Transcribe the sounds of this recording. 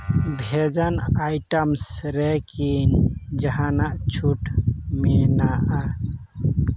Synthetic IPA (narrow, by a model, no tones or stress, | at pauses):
bʱed͡ʒanajʈəmsɾekind͡ʒəɦanaʔt͡ʃʰuʈmenaa